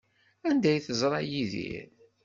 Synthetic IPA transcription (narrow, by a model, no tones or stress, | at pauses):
ænd̪æjθəzˤɾˤɑjiðḭɾ